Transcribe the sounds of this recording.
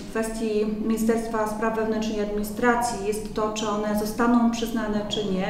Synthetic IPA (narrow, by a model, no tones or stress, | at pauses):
kfɛst̪ʲjimʲejst̪ɛɾt̪t̪faspɾavvɛvnɛnt͡ʂnɛjad̪mʲiɲist̪ɾat̪sʲjijɛst̪ːɔt͡ʂɘɔnɛzɔst̪anɔ̃w̃pʂɘznanɛt͡ʂɘɲɛ